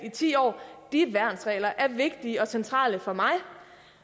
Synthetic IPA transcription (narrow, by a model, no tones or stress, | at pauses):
it͡sʰḭːɒ̰ːd̥iʋæɐnsʁɛ̰ːlɐʔæɐʋe̝ɡ̥̚d̥iəɒ̽sent͡sʰʁɑ̰̈ːləfɒ̽mɑ̈ɪ